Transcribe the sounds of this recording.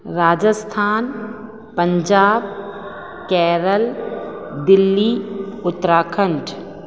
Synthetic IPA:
ɾaːd͡ʒəst̪ʰaːn | pə̃ɲd͡ʒaːb̚ | kɛːɾəl | d̪ɪlːiːʊt̪ːɾaːkʰə̃nʈʰ

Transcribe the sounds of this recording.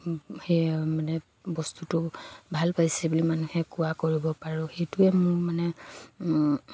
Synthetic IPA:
hemanɛ | bɔstutʊbʱalpajsɛbulimanuhɛkuwakoɹibɔpaɹʊxejtʊɛmʊɹmanɛ

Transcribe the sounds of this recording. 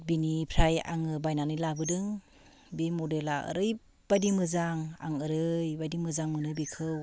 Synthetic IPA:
binipʰɾaja̰ŋɯbajnanɯjlabɯdɯŋ | bimodelaɯ̰ɾɯj | b̥ajdimɯzaŋa̰ŋɯɾɯjbajdimɯzaŋmɯnɯbikʰɯw

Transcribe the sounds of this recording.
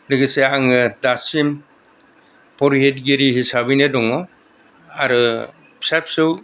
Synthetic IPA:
lɯɡɯseaŋɯdasim | pʰɔɾɦetɡeɾiɦisabinedɔŋɔ | aɾɯ | sap̚sɯw

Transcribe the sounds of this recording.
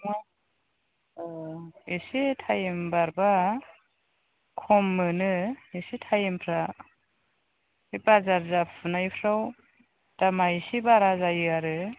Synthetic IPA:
ma | isitʰajimbaɾba | kʰɔmːɯnɯisitʰajimpʰɾa | ibazaɾzapʰɯnajpʰɾaw | d̥amaisibaɾazajɯaɾɯ

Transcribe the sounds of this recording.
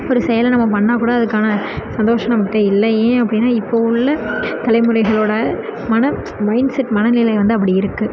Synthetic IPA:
ɔɾɯsɛjɐlnɐmːɐpɐɳːãːkuːɽaːɐðɯkːaːnɐsɐnd̪oːʂɐ̃nɐmɐʈːeːɪlːɐẽːɐp̬ːɐɽɪnːaːɪpːoʊɭːɐt̪ɐlɐɪmɯɾɐɪɣɐɭoːɽɐmɐnɐ | mɐɪnsɛʈːmɐnɐnɪlɐʋɐnd̪ɯɐp̬ːɐɽiɪɾɯkːɯ

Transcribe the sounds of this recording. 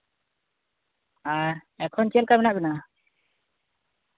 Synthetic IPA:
aɾɛkʰɔnt͡ʃɛlkabɛnaʔbɛna

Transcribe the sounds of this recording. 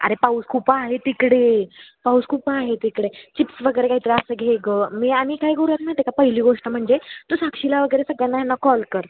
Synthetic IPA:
ə̰ɾepauskʰupaaɦet̪ikɽepawskʰupaːɦet̪ikɽet͡ɕipsʋəɡəɾekaɦit̪ɾəasəɡʱeɡəːmiːaɽ̃ikaɦjɡʱoɾat̪̚najt̪ekapəɦiliːɡoʂʈəm̤əɳd͡zet̪usakɕilaʋəɡəjɾesəɡanːajanːakɔlkəɾ

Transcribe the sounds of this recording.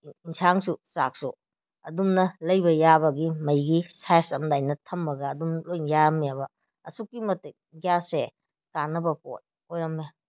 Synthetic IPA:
insaŋsusak̚sṵ | ɐ̰dumnɐlɐjbɐjabɐɡimɐjɡisajsɐmdajnɐtʰɐmːɐɡɐːdumlojnjaɾɐmejabɐ | ɐ̰sukːimɐte | ɡjase | kanɐbɐpo̰t̚ | ojɾɐmːe

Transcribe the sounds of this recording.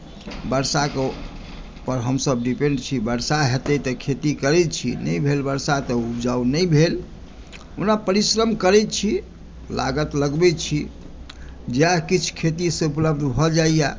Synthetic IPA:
bəɾsake | pəɾɦəmsəbɖipeɳɖt͡ʃʰibəɾsaɦet̪ɛt̪ɔkʰet̪ikəɾɛt̪t͡ʃʰḭnəjbʱelbəɾsat̪ɔud͡ʒaunəjbʱel | unapəɾisɾəmkəɾɛt̪t͡ʃʰi | la̰ɡət̪ləɡbɛt͡ʃʰi | d͡ʒeakit͡ʃʰkʰet̪iseupləb̚d̪ʱbʱɔd͡ʒaija

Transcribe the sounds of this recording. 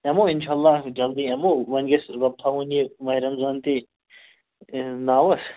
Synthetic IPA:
ɛmoɪnʃaːlːaːd͡ʒɐld̪iɐmoʋɐnɡɐsɾɐb̚t̪ʰaɦunimɐiɾɐmzaːnt̪i | naːwɐs

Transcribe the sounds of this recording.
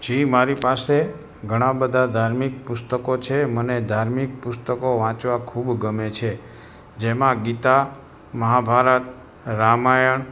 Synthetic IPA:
d͡ʒimaɾipase | ɡʱəɽ̃ãbəd̪ʱad̪ʱaɾmik̚pʊst̪əkot͡ʃʰeməned̪ʱaɾmik̚pʊst̪əkoʋãt͡ʃʋakʰubɡəmet͡ʃʰe | d͡ʒemãɡit̪a | məɦabʱaɾət̪̚ | ɾamajəɳ

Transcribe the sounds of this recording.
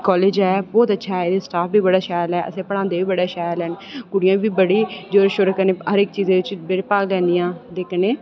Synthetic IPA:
kɔːleːd͡ʒɛːbɔːt̪ətːʃʰaːɦɛeːd̪esʈaːfbʱiːbəɽaːʃaːjlɛːʔə̰sẽːpəɽãːnd̪eːbiːbəɽaːʃaːjlɛːnkʊɽɪjãːbʱiːbəɽiːd͡ʒoːɾʃʊɾkənẽːɦəɾɪk̚t͡ʃiːzẽːʋɪt͡ʃbɪɽpaːɡlɛ̃ːnd̪ijãːd̪eːkʰneː

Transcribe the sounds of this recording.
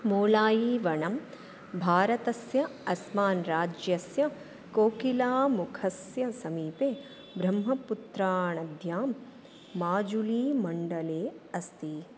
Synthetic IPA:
moːlaːjiʋɐɳɐm | bʱaːɾɐt̪ɐsjɐɐsmaːnɾaːd͡ʒjɐsjɐ | koːkilaːmukʰɐsjɐsɐmiːpeː | bɾɐmɦɐput̪ɾaːɳɐd̪ʱjaːmː | aːd͡ʒuliːmɐɳɖɐleːɐst̪i

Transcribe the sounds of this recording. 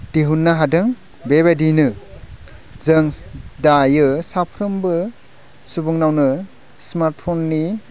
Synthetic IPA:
diɦunːaɦadɯŋ | beβadinɯ | zɯŋdajɯsapʰɾɯmbɯ | subuŋnawnɯ | smaɾt̚pʰonːi

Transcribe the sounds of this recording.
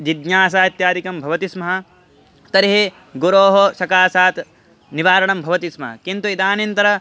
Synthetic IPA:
d͡ʒid̪ɲaːs̬aːt̪jaːd̪ikɐmbʱɐʋɐt̪ismɐɦɐ̆ | t̪ɐɾiɦe | ɡuɾoːɦɐʃɐkaːsaːt̪ | niʋaːɾɐɳɐmbʱɐʋɐt̪ismɐ̰ɦɐ̰kint̪uid̪aːnɐnt̪ɐɾɐ

